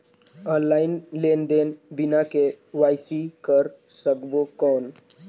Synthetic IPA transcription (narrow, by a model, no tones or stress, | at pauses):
ɔnlaɪnlend̪enbinake | ʋajsikəɾ | səkbokɔn